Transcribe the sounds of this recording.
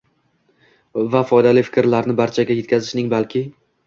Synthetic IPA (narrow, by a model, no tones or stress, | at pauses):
vafɒjd̪alɪfɪ̥kʲɾlaɾnɪbaɾt͡ʃʰaɡʲaje̞t̪̚kʲʰazɪ̥ʃnɪŋbalˠkʲʰɪ